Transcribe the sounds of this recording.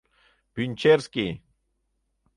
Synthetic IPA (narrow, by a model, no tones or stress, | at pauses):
pint͡ʃeɾskɪ